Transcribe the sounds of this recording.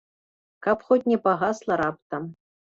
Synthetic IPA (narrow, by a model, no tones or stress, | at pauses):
kapxotʲnʲɛpaɣaslˠɐɾap̚t̪ɐm